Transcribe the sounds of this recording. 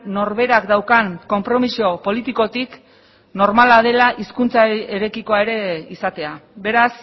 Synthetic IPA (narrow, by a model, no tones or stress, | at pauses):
no̞ɾβe̞ɾakd̪awkanko̞mpɾo̞misio̞po̞lit̪iko̞t̪ik | no̞ɾmalaðe̞laʔiskunt͡saeɾe̞kiko̞ae̞ɾe̞isat̪e̞abe̞ɾas